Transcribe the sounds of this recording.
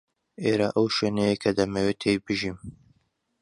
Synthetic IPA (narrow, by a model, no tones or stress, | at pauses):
ʔeːɾaʔɐwʃweːnɛjekʰɐd̪ɐmɐwet̪ʰejbɨʒim